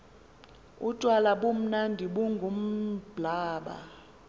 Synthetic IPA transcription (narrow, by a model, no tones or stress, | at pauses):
utʼwalaɓum̩nandʱiɓuŋɡʱum̩b̥ʱlaːɓa̰